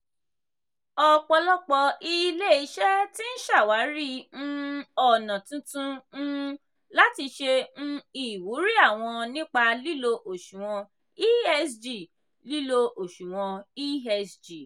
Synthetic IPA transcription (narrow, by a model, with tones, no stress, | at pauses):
ɔ˧k͡pɔ˧lɔ˦k͡pɔ˧i˧˦le˦i˧˦ʃɛ˦ti˦n̩˦ʃa˦˨wa˨˦ɾi˦ñ̩˦ɔ˦˨nã˨tũ˨˧tũ˦ñ̩˦ | la˦ti˧ʃe˧ñ̩˦i˨wu˨˦ɾi˦a˦˨w̃ɔ̃˧nĩ˦k͡pa˧li˦lo˧ʔo˨ʃũ˨w̃ɔ̃˧ | i˦ɛ˧sd͡ʒi˨ | li˦lo˧ʔo˨ʃũ˨w̃ɔ̃˧i˦ɛ˧sd͡ʒi˨